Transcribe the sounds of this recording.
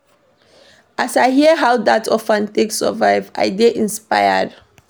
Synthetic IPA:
ʔasaɪɦiəɦawdatʰɔfɛ̃nteksə̰vaɪva̰ɪdeʔĩnspajə̰d

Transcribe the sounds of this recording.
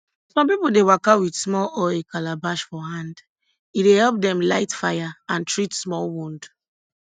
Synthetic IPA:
sɔ̃mpipuldewakawidsmɔlɔɪkalabaʃfɔhãnd | idehɛlp̚dɛ̃mlaɪtfajaãntɹitsmɔlwũnd

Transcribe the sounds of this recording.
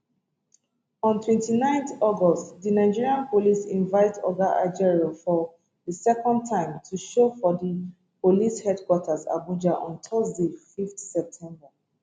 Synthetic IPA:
ɔ̃ntʰwɛ̃ntinãɪ̃ntɔɡɔstdinaɪd͡ʒiɹiãnpolisĩnvaɪtɔ̰ɡaʔa̰d͡ʒɛɹofɔ | disɛkɔ̃ndtʰãɪ̃mtʰuʃofɔdi | polishɛdkwɔtʰaza̰bud͡ʒaʔɔ̃ntʰɔsdefiftsɛp̚tʰɛ̃mba

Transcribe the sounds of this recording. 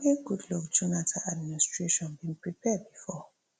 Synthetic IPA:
niɡudlɔkd͡ʒunatʰaadmiinistɹeʃɔ̃nbĩnpɹipʰɛd̚bifɔ

